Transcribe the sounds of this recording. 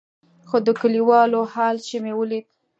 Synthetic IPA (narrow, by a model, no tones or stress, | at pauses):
xod̪əkəliwɑlohɑlʃemewəlid̪